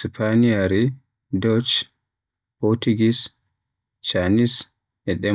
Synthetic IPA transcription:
spʰanijaɾi | dɔt͡ʃ | pɔɾtuɡis | t͡ʃanis | ʔɛɗɛ

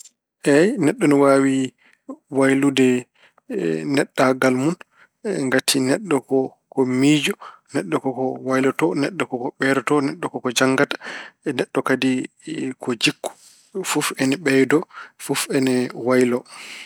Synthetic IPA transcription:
ʔɛjnɛɗːɔnɔwawi | wajludɛ | nɛɗːaɡalmun | ŋɡatʰinɛɗːɔkɔ | kɔmiːd͡ʒɔnɛɗːɔkɔkɔwajlɔtɔnɛɗːɔkɔkɔɓɛɾɔtɔnɛɗːɔkɔkɔd͡ʒaŋɡatḁnɛɗːɔkadi | kɔd͡ʒikːu̥ | fufɛnɛɓɛjdɔfufɛnɛwajlɔ

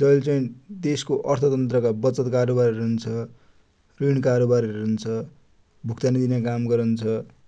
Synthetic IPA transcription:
d͡zʌlt͡sʌĩd̪eskoʔʌrt̪ʰʌt̪ʌnt̪rʌkabʌt͡sʌt̪kaɾobaɾʌɾɦunt͡sʰʌ | riɽ̃kaɾobaɾʌɾeɦunt͡sʰʌ | bʱukt̪anid̪inakamɡʌɾʌnt͡sʰʌ

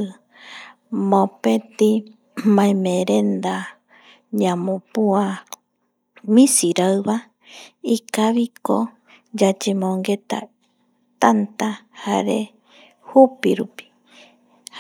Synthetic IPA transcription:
mõpẽt̪i | mãẽmẽɾend̪a | ɲãmõpua | mĩsiɾaɨβa | ikaβiko | d͡ʒad͡ʒemõŋɡet̪a̰ | t̪ant̪ahaɾḛ | hupiɾupi̥

